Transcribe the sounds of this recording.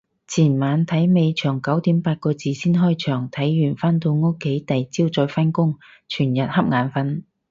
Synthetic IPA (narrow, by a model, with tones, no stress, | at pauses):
t͡sʰiː˨˩nmaː˨˧nt̪ʰɐ˨˥jme˨˧jt͡ʃʰœː˨˩ŋkɐ˨˥wt̪i˨˥mpaː˧t̚kɔː˧t͡siː˨˧siː˥nɦɔː˥jt͡ʃʰœː˨˩ŋt̪ʰɐ˨˥jːyː˨˩nfaː˥nt̪o˧wŋʊ˥kʰːe˨˥jt̪ɐ˨jt͡siː˥wt͡sɔː˧jfɐ˥nkʊ˥ŋ | t͡ʃʰyː˨˩njɐ˨t̚hɐ˥p̚ŋaː˨˧nfɐ˧˥n